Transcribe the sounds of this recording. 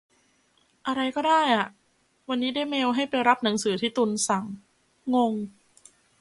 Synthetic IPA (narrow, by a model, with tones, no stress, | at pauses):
ʔa˧ɾa˧jkɔː˥˩daː˥˩jʔa˨˩ʔ | wa˧nːiː˦˥daː˥˩jmeː˧wɦa˥˩jpa˧jɾa˦˥p̚na˩˦ŋsɯː˩˦t̪ʰiː˥˩t̪u˧nsa˨˩˦ŋː | o˧ŋ